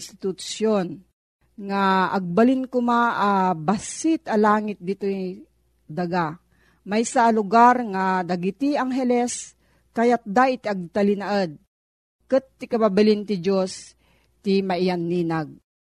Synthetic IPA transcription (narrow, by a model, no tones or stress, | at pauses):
st̪ɪt̪ʊʃjon | ŋaɐɡ̚balɪnkʊmaabasɪt̪ɐlaːŋɪt̪̚d̪it̪oj | d̪aɡa | majsalʊɡaɾŋad̪aɡit̪iaŋɦɛlɛs | kajat̪̚d̪aʔɪt̪aɡ̚t̪alɪnaʔəd̪̚ | kɨt̪ːɪkababalɪnt̪ɪd͡ʒos | t̪ɪmaʔɪjanːiːnaɡ̚